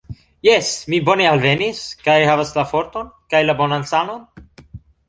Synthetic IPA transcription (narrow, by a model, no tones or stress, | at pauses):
jesmibo̞ne̞alve̞niskajhavaslafo̞ɾto̞nkajlabo̞nansano̞n